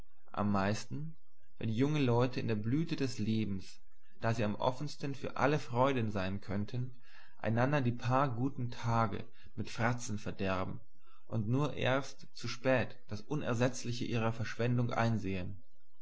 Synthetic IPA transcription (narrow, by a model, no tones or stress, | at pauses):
ʔa̰mːaɪstn̩ | vɛ̰nijʊŋənlɔʏtəɪ̰ndeːɐblyːtədɛsleːbm̩s | d̥aːziːamʔɔ̰fənstənfyːɐʔa̰ləfʁ̥ɔʏdnzaɪnkʰœntʰən | ʔa̰ɪnandɐdiːpʰaːɐɡuːtn̩tʰaːɡə̰ | mɪtfʁ̥at͡sn̩fɛɐdɛɐbm̩ | ʔʊntnuːɐʔḛːɐst | t͡suʃpɛːtd̥asʔʊnɛ̰ɐzɛt͡slɪçəʔiːʁ̞ɐfɛɐʃv̥ɛndʊŋʔa̰ɪnzeːən